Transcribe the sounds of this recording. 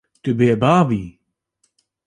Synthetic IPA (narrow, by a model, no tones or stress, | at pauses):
tʰəbiəbaːvi